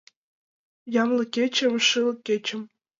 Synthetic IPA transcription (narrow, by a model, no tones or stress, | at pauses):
jɑmlˠɤ̆kʲet͡ɕĕmʂɨlɤ̆kʲːet͡ɕɘ̆m